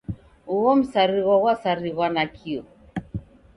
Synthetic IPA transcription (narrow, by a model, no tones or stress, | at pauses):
uɣɔm̩saɾiɣaɣwasaɾiɣwanakʰiɔ